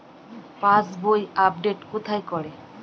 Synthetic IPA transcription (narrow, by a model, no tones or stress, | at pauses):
pãsbojap̚ɖeʈkut̪ʰajkɔɽe